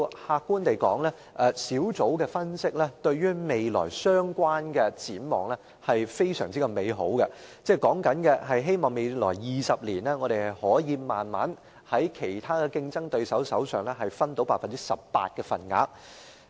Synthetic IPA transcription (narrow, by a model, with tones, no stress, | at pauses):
haː˧kːuː˥nt̪e˨jkɔ̰ː˨˥ŋlɛː˥ | ʔɛ˧siː˨˥wt͡so˨˥wkɛː˧fɐ˥nsɪ˥k̚lɛː˥t̪ɵ˧ɥɥyː˥me˨jlɔ̰ː˨˩jsœː˥ŋkʷwaː˥nkɛː˧t͡siː˨˥nmɔ̰ː˨ŋlɛ˥ | hɐ˨jfe˥jsœ̰ː˨˩ŋt͡si˥kɐ˧me˨˧jɦo̰˨˥wkɛ˧t͡sɛː˥kɔː˨˥ŋkɐ˨˥nkɛ˧ɦɐ˨jɦe˥jmɔː˨ŋme˨˧jlɔ̰ː˨˩jːiː˨˩sɐ˨p̚liː˨˩nlɛː˥ŋɔː˨˧ɾe˨jhɐ˨jhɔː˨˥jiː˨˧maː˨nma̰ː˨˥n | hɐ˨˥jkʰe˨˩jt̪ʰaː˥kɛ˧kɪ˧ŋt͡sɐ˥ŋt̪ɵ˧ɥsɐ˨˥wsɐ̰˨˥wsœ̰ː˨ŋlɛ˥ɦɐ˨jfɐ˥nt̪o˨˥wpaː˧˥fɐ˨nt͡si̥˥sɐ˨p̚pa̰ː˧t̚kɛː˧fɐ̰˨˩nŋa̰ː˨˧˥k̚